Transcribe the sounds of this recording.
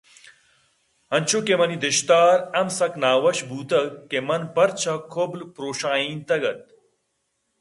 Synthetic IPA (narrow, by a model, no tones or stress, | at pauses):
ɐnt͡ʃʰukemɐnid̪ɪʃt̪aːɾɐmsɐknaːʋɐʃbʱuːt̪ɐɡkːemɐnpɐɾt͡ɕʰɐkʰoblpɾoːʃaːiːnt̪ɐɡɐt̪̚